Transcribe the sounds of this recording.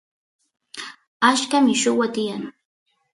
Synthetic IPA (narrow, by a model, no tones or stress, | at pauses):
aʃkamɪʃʊwat̪ɪjaŋ